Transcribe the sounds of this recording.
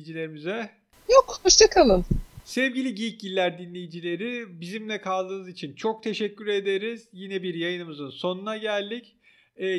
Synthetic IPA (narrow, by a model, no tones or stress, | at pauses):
d͡ʒilʲe̞ɾimizɛ | jokoʃt̪ʰakʰalˠɯnsɛvɟilʲiɟiic̚ɟilʲːæɾd̪inlʲejid͡ʒilʲe̞ɾibizimlʲɛkʰalˠd̪ɯːnɯzit͡ʃʰint͡ʃʰo̞k̚t̪ʰe̞ʃɛcʲːyɾe̞d̪e̞ɾiz̥jinɛbiɾjajɯnɯmɯzɯnso̞nunaɟælʲd̪icː